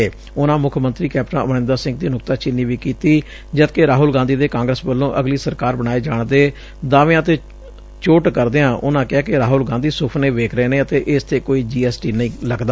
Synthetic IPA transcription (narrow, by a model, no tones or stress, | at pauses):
eː | ʊnãːmʊkʰmənt̪ɾiːkɛːp̚ʈãəʋnɪ̃ːnd̪asɪ̃ŋɡ̚d̪iːnʊkt̪aːt͡ʃɪnːiːʋiːkiːt̪iː | d͡ʒət̪keːɾaːɦʊlɡãːnd̪iːd̪eːkãːŋɡɾəsbəlːõːʔəɡliːsəɾkaːɾbəɽ̃aːeːd͡ʒaːɳd̪eː | d̪ãːʋẽət̪eː | t͡ʃoːʈkəɾd̪eːãːʔʊnãːkɪaːkɪɾaːɦʊlɡãːnd̪iːsʊpʰneːʋeːkʰɾeːneːət̪eːʔɪst̪ʰeːkoːiːd͡ʒiːɛːsʈiːnəĩːləɡd̪aː